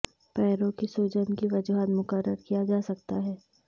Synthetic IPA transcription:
pɛːɾõkisoːd͡ʒənkiʋɐd͡ʒuɦaːt̪mʊkəɾːəɾkijad͡ʒaːsɐkt̪aɦɛː

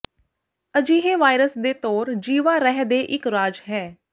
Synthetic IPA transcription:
əd͡ʒiːɦeːʋaːɪɾəsd̪eːt̪oːɾd͡ʒiːʋãːɾɛɦd̪eːʔɪkɾaːd͡ʒɦɛː

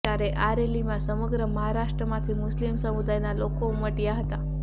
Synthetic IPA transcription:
aɾeʔaɾelimãsəməɡɾəməɦaɾaʃʈɾəmãt̪ʰimʊslimsəmud̪ajnalokouməʈjaɦət̪a

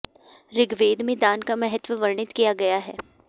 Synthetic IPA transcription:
ɾɪɡʋeːd̪mẽd̪aːnkamɛɦət̪ʋəʋɐɾɳɪt̪kijaɡɐjaɦɛː

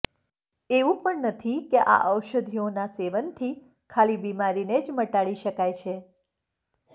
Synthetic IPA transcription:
eʋũpəɳnət̪ʰikeʔa̰ʔəwʃəd̪ʱijonaseʋənt̪ʰi | kʰalibimaɾined͡ʒməʈaɭiʃəkajt͡ʃʰe

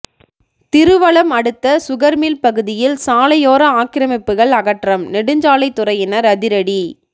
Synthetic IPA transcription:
t̪ɪɾɯʋɐɭɐmɐɽɯt̪ːɐsʊɣɐɾmiːlpɐɣɯðɪjɪlsaːlɐjoːɾɐaːkɪɾɐmɪpːɯɣɐɭɐɣɐʈrɐmnɛɽɯɲd͡ʒaːlɐɪt̪ːʊrɐjɪnɐɾɐðɪɾɐɽi

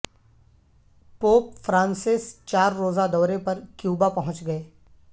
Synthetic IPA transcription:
poːpfɾãːnsɪst͡ʃaːɾːoːzad̪ɔːɾepɐɾkjuːbapɐɦʊ̃t͡ʃɡɐeː

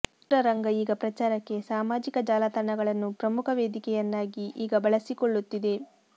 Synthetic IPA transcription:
ʈɾɐɾɐŋɡɐiːɡɐpɾɐt͡ʃaːɾɐkːe̞saːmaːd͡ʒikɐd͡ʒaːlɐt̪ɐɳːɐɡɐɭɐnːupɾɐmukʰɐʋeːd̪ikɛjɐnːaːɡiʔiːɡɐbɐɭɐsikoɭːut̪ːid̪e̞

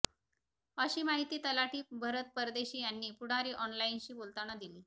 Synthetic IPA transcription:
əɕiːmaɦit̪iːt̪əlaʈiːbʱəɾət̪̚pəɾd̪eɕiːjanːiːpuɽ̤aɾiːʔɔnlainɕiːbolt̪aɽ̃əd̪iliː

